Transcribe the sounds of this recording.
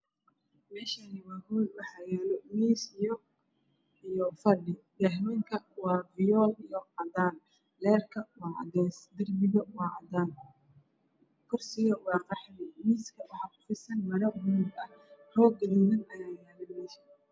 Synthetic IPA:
mɛːʃanɪwɑːhuːlwɑħɑjɛːlɔmiːsijɔ | ijɔfɐɖɪ | dɛɦmɐŋkʰɐwɑːvɪjɔːlijɔqɐd̪aːn | lɛːrkʰɐwɑːɐ̰ɣɛːsd̪ɪrbɪɣɐwɑːʔɐd̪aːn | kʰʊrsɪɣɐwɑːqɑħmɪmiːskʰɐwɑħɑːkʊ̥fɪsɐnmɐɾɐmuːdɐhhɔːɡɐliːðɐnɐjaːjɛːlɐmɛːʃɐ

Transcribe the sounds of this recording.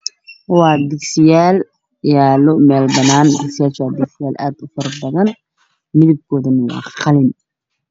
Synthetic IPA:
wɑːd̪ɪɡsɪjaːl | jaːlʊmɛːlbɐnaːnd̪ɪksɪjaːlt͡ʃaːd̪ɪɡsɪjaːlʔaːd̪ʊfɐrbɐðɐn | mɪðɪb̚kʰɔːðɐnɐwɑ̰ːχɑlɪn

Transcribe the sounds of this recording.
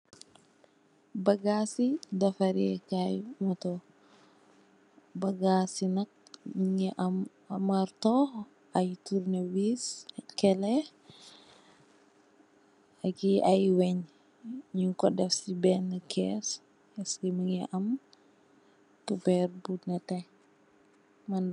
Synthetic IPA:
bɐɡasidɐfaɾɛkajmɔtɔ | bɐɡasinɐk̚miŋɛʔam | amaɾtɔ | ajtuɾnɛwiskɛlɛ | akiajwɛɲ | ɲiŋkɔdɛfsibɛnːəkʰɛs | ɛskimiŋɛ̰ʔɐm | kupɛɾbunɐtɛ | mɐn

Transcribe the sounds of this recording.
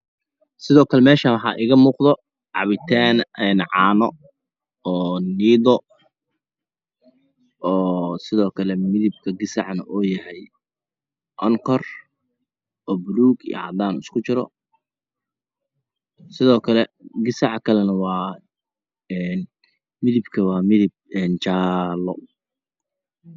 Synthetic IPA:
sɪðɔːkʰɐlɛmɛːʃaːwɑħɑ̰ːʔɪːɣɐmuːqðɔ | ʕɑ̰βɪt̪ʰaːnɛːnʕɑːnɔ | ɔːniːðɔ | ɔːsɪðɔːkʰɐlɛmɪðɪb̚kʰɐɡɪsɑʕnɐʔɔːjɐɦɛj | ʔɔŋkʰɔr | ɔːbluːɡḭjɐ̰ʕɑd̪aːnʊskʰʊt͡ʃɪɾɔ̰ | sɪðɔːkʰɐlɛɡɪsɑʕkʰɐlɛnɐwɑː | ɛːn | mɪðɪbkʰɐwɑːmɪðɪb̚ɛːnt͡ʃaːlɔ

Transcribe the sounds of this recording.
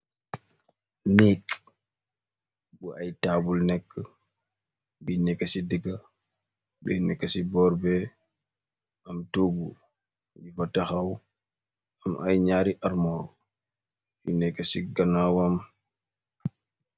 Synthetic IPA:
nek | buʔajtaːbulnɛkː | binɛkːasidiɡa | bɛnɛkːasibɔɾbɛ | ʔamtoɡu | bifatːahaw | amʔa̰jɲaːɾiʔaɾmɔɾɔ | binɛkːasiɡanawam

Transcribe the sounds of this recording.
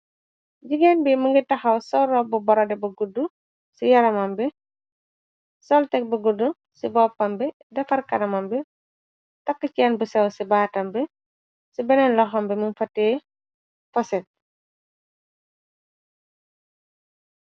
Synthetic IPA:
ɟiɡɛnbiməŋɡitɐxɐwsɔɾɔbubɔɾɔdɛbɐɡudːu | sijɐɾɐmɐmbi | sɔltɛk̚bɐɡudːu | sibɔːpːɐmbi | dɐfɐrkɐdɐmɐmbi | tɐkːəcɛːnbusɛwsibaːtɐmbi | sibɛnɛnlɔxɔmbimunfɐtːɛː | fɔsɛt̚

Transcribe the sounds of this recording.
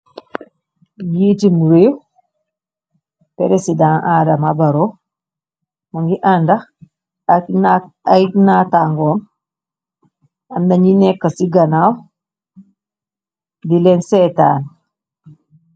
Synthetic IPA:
jitimuɾew | peɾesidãŋʔaːdamabaɾɔ | moŋɡiʔanda | ajnataŋɡɔm | andaɲinɛkːasiɡanaw | dilɛnsɛtan

